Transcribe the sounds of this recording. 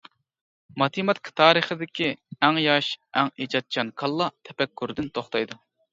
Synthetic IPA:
mɑt̪ʰimɑt̪kʰʲt̪ʰɑːɾɨχɨd̪ɪkʲʰiæŋjɑʃæŋid͡ʒɑt̪̚t͡ʃʰɑnkʰɑlˠːɑt̪ʰɛpɛkʲːyɾd̪ɪnt̪ʰoχt̪ʰɑjd̪u

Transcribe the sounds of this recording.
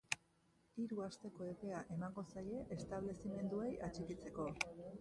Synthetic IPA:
iɾuast̪e̞ko̞e̞pe̞aʔe̞maŋɡo̞saje̞ʔest̪aβle̞sime̞nd̪uejʔat͡ʃekit͡se̞ko̞

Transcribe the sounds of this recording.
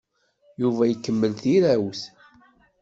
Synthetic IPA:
juvæjəkːəmːəlθiɾæwθ

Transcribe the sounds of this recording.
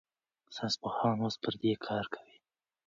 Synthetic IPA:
sanspahɾɑnwospəɾd̪ekʰɑɾkʰḁwi

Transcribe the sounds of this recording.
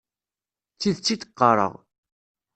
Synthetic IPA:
t͡sːiðt͡sːit̪ə̥qːɑɾˤə̰ʁ

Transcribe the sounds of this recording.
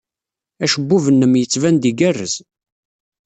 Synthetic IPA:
æʃəbːuvənːəmjət͡sːvænd̪iɡærːəz

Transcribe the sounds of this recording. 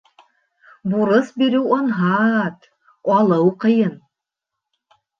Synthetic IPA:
buɾɤsbiɾɘwɑnɦɑt̪ | ɑlˠɤwqɤ̆jɤn

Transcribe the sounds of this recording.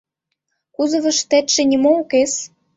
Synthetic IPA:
kuzɤ̆βɤ̆ʃt̪ĕt̪ʃĕnʲimoukes

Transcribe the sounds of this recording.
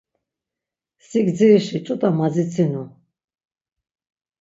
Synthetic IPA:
sik̪d͡zɛʃit͡ʃʼut̪ʼamad͡zit͡sʰinu

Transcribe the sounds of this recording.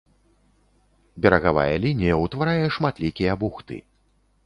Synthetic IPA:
bʲɛɾɐɣava̰jɐlʲinʲijɐwt̪vaɾajɛʂmat̪lʲikʲijɐbuxt̪ɨ̰

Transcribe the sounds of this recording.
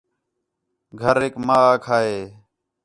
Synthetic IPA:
ɡʱəɾeːkmaːaːkʰaːɦeː

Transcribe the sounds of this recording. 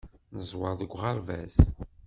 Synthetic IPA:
nəzˤwɑðəɡʷʁɑɾvæ̰z

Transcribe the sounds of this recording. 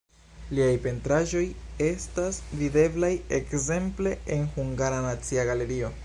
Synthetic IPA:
liajpe̞ntɾaʒo̞je̞stasvide̞blajekze̞mple̞enhuŋɡaɾanat͡siaɡale̞ɾio̞

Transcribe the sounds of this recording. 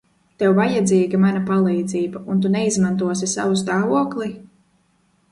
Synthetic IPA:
t̪ɛwvajad̪ziːɡamanapalˠijd̪ziːbaunt̪̬unɛizmant̪uɔsisa̰vust̪aːvuɔklˠi

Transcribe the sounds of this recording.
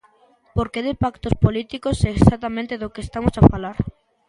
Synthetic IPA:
poɾkeðepakt̪ospolit̪ikosɛːksat̪amẽnt̪eðokeest̪amosafalaɾ

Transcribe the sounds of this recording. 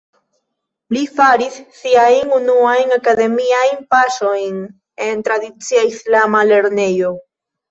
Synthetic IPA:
lifaɾisːiajnunuajnakade̞miajnpaʃo̞jn | e̞nt̪ɾadit͡siaislamale̞ɾne̞jo̞

